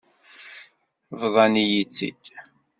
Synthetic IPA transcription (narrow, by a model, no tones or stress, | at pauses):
vðˤɑnijit͡sːḭd̪